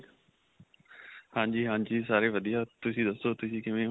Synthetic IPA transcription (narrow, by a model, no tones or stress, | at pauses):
hãːɲd͡ʑiːɦãːd͡ʑiːs̬aːɾeʋɐd̪ʱijat̪ʊsĩːd̪ɐsot̪ʊsĩːkẽmẽ